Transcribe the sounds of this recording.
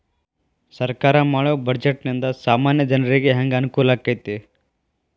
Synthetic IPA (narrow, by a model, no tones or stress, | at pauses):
sɐɾkaɾamaːɭobɐɾd͡ʒeʈnind̪ɐsaːmaːnjəd͡ʒɐnɾeɡeɦɐŋɡankulakːɐjt̪e